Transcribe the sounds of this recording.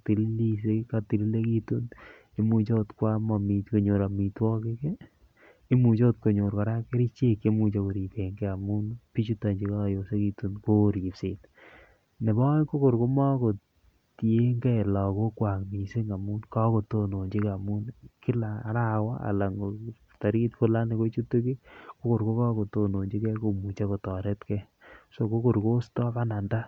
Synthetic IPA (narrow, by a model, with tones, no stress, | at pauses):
ti˨li˦li˦seka˨ti˨li˦le˦ki˦tu˦n | e˦mu˨t͡ʃo˦tkwa˦ma˨mi˨tko˨ɲo˨ɾa˨mi˨twɔ˦kɪ˦ke˦ | i˦mu˨t͡ʃo˦t̚ko˨ɲo˨ɾkɔ˨ɾa˦ke˦ɾi˦t͡ʃe˦ke˦mu˨t͡ʃo˦ko˨ɾi˨keŋɡɛ˦a˨mu˦npi˦t͡ʃu˦ta˨ɲd͡ʒi˨˦ka˦˨jo˨se˦ki˨tu˦nko˦ɾi˨pse˨t | ne˨bɔ˦ko˦ko˨ɾko˦ma˦ko˨ | te˦ŋɡɛ˦˨lɔ˨ko˦kwa˨kmi˨se˦ŋa˨mu˦nka˦ko˨to˨no˨ɲd͡ʒi˦ka˨mu˦nkɪ˦la˨a˦ɾa˦wa̰˦a̰˨la˨ŋɡo | ta˨ɾi˦tfu˦la˦ne˦ko˦t͡ʃu˦tːu˦ki˦ko˦ko˨ɾko˦kɔ˦ko˨to˨no˨ɲd͡ʒi˦kɛ˦ko˨mu˨t͡ʃa˦ko˨tɔ˨ɾɛ˦tkɛ˦ | so˨ko˦ko˨ɾko˦stɔ˦ba˦na˨nda˦